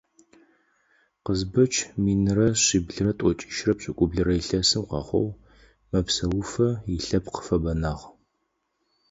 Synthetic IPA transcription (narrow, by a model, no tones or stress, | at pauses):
qəzbɐt͡ʃʰmiːnɨrɐɕiːbɮɨrɐtʷʼɔt͡ʃʼi̥ʃrɐpɕʼɪkʷʼʊbɮɨɾɐjɪɬɐsɨmqɑ̰ːχʷɔ̰w | mɐpsɐwʊfɐjiɬɐpqə̥fɐbɐnaːʁ